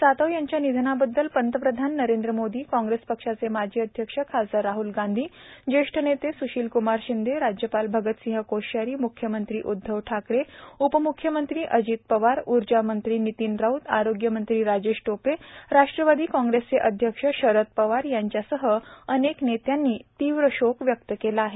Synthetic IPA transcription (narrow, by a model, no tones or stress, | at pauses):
sat̪əʋjaɲt͡ɕjanid̪ʱənabəd̪ːəlpənt̪əpɾəd̪ʱanːəɾẽnd̪ɾəmod̪iːkɔ̃ŋɡɾespəkʂat͡semad͡ʑʱiəd̪ʱjəkʂəkʰad͡zəɾaɦulɡãnd̪ʱiːd͡ʑeʂʈʰənet̪esuɕiːlkumaɾɕind̪ʱeɾad͡ʑjəpalbʱəɡət̪sĩɦəkoɕjaɾiːmukʰjəmənt̪ɾiːʔud̪ʱːəʋʈʰakɽeupəmukʰjəmənt̪ɾiːʔəd͡ʑit̪̚pəʋaɾuɾd͡ʑamənt̪ɾiːnit̪inɾaut̪aɾoɡjəmənt̪ɾiːɾad͡ʑeɕʈopeɾaʂʈɾəʋad̪iːkɔ̃ŋɡɾest͡seʔəd̪ʱjəkʂəɕəɾət̪̚pəʋaɾjaɲt͡ɕjasəɦəəneknet̪janːiːt̪iʋɾəɕokʋjək̚t̪əkelaːɦe